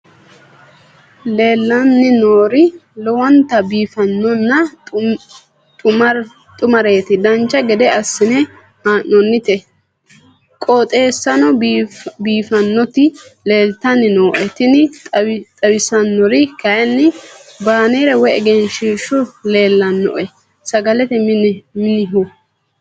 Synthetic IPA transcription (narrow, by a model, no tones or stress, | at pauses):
le̞ːlːɐnːɪnoːɾɪlɔwɐnt̪ɐbiːfɐnːɔnːɐ | t̪ʼʊmɐɾ | t̪ʼʊmɐɾe̞ːt̪ɪd̪ɐnt͡ʃːɐɡɛd̪ɛɐsːɪnɛ | haʔɔnːɪt̪ɛ | kʼɔt̪ʼe̞ːsːɐnɔbiːfɐnːɔt̪ɪle̞ːlt̪ːɐnɪnoːʔɛt̪ɪnɪtt̪ʼɐwɪsɐnːɔɾɪkɐjɐnːɪbaːneːɾɛwɛɛɡɛnʃiːʃːʊle̞ːlːɐnːɔ̰ʔɛ | sɐɡɐlɛt̪ɛmɪnɪɦʊ